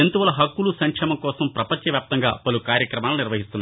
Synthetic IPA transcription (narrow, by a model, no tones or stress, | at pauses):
ent̪uʋɐlɐɦɐkːulusɐŋkʂɛmɐkɔːsɐmpɾɐpɐɲt͡ʃɐʋjaːp̚t̪ɐŋɡa̰ːpɐlukaːɾjɐkɾɐmaːluniɾʋɐɦist̪unːa